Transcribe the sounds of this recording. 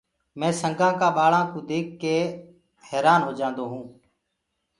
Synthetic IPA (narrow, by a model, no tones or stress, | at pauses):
mɛ̃ːsəŋɡãːkaːɓaːɭãːkũːd̪eːkːeː | heːɾaːnɦoːd͡ʒãːnd̪oːɦũː